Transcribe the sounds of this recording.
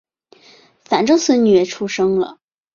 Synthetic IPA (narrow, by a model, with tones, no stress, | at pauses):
fa˨˩nʈ͡ʂo˥swə˥˩ny˨˩ɛ˨˧˩ʈ͡ʂʰu˥ʂɤ˥ŋlə̰˨